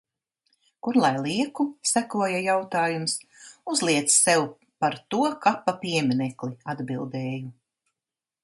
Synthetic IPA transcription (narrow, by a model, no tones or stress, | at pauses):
kuɾlˠajlˠiɛkusækuɔjajawt̪aːjumsuzlˠiɛt̪ssɛw | paɾt̪uɔkapapiɛmʲinɛkliad̪bilˠd̪ɛːju